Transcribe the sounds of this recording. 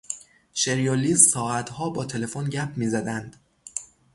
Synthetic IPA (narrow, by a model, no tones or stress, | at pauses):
ʃeɾijoliːzsɒːæt̪hɒːbɒːt̪ʰe̞le̞fonɟæpʰmiːzæd̪ænd̪̥